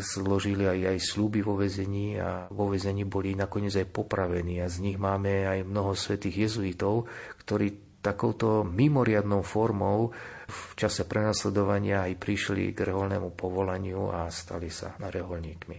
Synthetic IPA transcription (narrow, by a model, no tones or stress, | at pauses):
zlɔʒiliajajslubiʋɔʋɛzɛɲiːa̰ʋɔʋɛzɛɲiːbɔlinakɔɲɪɛd͡zajpɔpɾaʋɛniːazɲiɣmaːmɛajmnɔɦɔsʋɛt̪iːɣjɛzuit̪ɔʊkt̪ɔɾiː | t̪akɔʊt̪ɔmimɔɾɪad̪nɔʊfɔɾmɔʊ | ft͡ʃasɛpɾɛnaslɛd̪ɔʋaɲɪaajpɾiʃlḭɡrɛɦɔlnɛmupɔʋɔlaɲɪuast̪a̰lisa̰naɾɛɦɔlɲiːkmḭ